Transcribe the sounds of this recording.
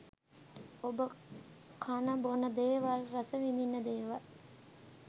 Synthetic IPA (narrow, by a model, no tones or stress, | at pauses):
obə | kʰanəbonəd̪eːʋalrasəʋind̪inːəd̪eːʋal